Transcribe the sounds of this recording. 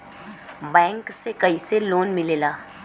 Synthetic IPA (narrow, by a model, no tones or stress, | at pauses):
bɛ̃ːŋksekɐiseloːnmɪleːlaː